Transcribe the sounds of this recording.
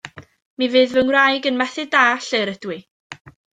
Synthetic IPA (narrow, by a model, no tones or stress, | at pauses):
mivɨːðvəŋwrajɡənmɛθɨdaːɬeɾəd̥wi